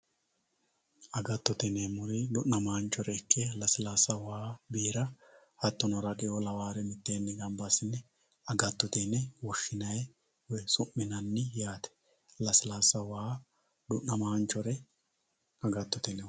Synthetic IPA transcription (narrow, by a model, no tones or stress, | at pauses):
ɐɡɐt̪ːʊt̪ɛnemʊɾɪd̪ʊʔːɐmaːnt͡ʃːɔɾɛːkʰːɛlɐsɪlaːsɐwaːbiːɾɐ | hɐt̪ːɔnɔɾɐkʼɛjɔlɐwaːɾɛmɪt̪ːeːnːɛɡɐmbasɪnːɛ | ɐɡɐt̪ːʊt̪enːɛwɔʃːɪnɐjɛ | wɛsʊmːɪnɐnːɪjaːt̪ɛ̥ | lɐslaːsːɐwaː | d̪ʊʔnnɐmaːnt͡ʃːɔɾɛ | ɐɡɐt̪ːʊt̪ɛnɛ